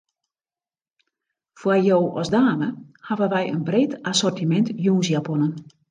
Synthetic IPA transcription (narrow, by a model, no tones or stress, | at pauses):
fwajoːʔɔsdaːməhaʋənʋɛjə̰nbreːtasɔrtimɛntjuːnsjaponən